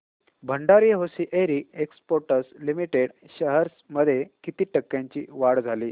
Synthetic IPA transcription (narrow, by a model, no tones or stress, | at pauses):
bʱəɳɖaɾijɦosiːʔeɾiːekspoɾʈəslimiʈeɽ | ɕəɦəɾsməd̪ʱːjekit̪iːʈəkːjãɲt͡ɕiːʋaɽd͡zʱaliː